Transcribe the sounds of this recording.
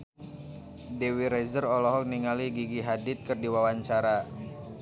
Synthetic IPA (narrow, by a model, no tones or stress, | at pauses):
dɛwiɾɛzərɔlɔɦɔk̚niŋaliɡiɡiɦadɪt̪̚kərdiwawaɲt͡ʃaɾa